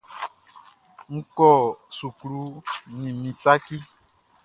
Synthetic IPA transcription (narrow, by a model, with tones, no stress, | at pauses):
ŋ̩˦kɔ˦˨su˨klu˦nĩ˨mĩ˨sa˦ki˦